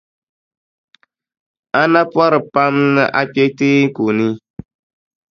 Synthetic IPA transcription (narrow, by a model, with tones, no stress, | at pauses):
a˦na˦pɔ˦ɾɨ˨pa˦mnɨ˦ʔa˦pi˦ɛ˦teː˦ku˨ni˦